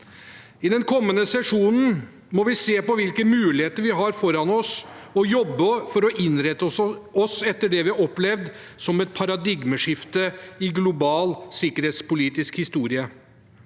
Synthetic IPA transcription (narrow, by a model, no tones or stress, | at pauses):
ɪd̪ɛnkʰɔmːənəsɛʂuːnn̩ | mɔʋɪseːpɔʋɪlkəmʉːlɪheːt̪əɾʋɪɦɑɾfɔɾɑnɔsɔjɔbːəfɔɾɔʔɪnɾɛt̪ːɔsɛt̪ːəɖɛʋɪɑɔplɛʋd̪ | sɔmɛt̪̚pʰɑɾɑd̪ɪɡməʂɪft̪əɪɡlʊbɑːlsɪkəɾheːt̪spʊliːt̪ɪskhɪst̪uːɾɪə